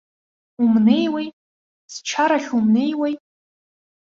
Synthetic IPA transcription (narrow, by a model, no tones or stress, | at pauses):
umne̞jwaj | st͡ʃʰaɾaχʲumne̞jwaj